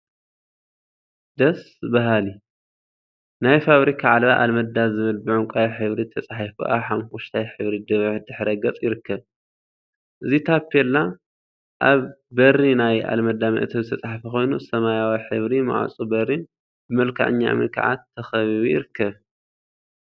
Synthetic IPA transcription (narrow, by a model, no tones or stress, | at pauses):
d̪ɐs | bɐɦali | najfaβɾikʰaʕalβaʔalmɐd̪azɨβɨlbɨʕuŋkʼajħɨβɾit̪ʰɐt͡sʼaħafṵʔa̰ħamwʊʃt̪ʰajħɨβɾid̪ɨβɨħd̪ɨħɾɐɡɐt͡sʼjɪɾɨkːɐβ | ʔɨzit̪ʰapʰːelːa | ʔaβːɐrːinaja̰lmɐd̪ːamiʔɐt̪ʰɐβzɨt̪ʰɐt͡sʼaħfɐxo̞jnusɐmajawiħɨβɾima̰ʕa̰t͡sʼubɐrːi | bɨmɐlkʰa̰ʕɨ̰ɲːa̰mɨ̰kʰa̰ʕa̰t̪ʰːɐxɐβiβijɪɾɨkːɐβ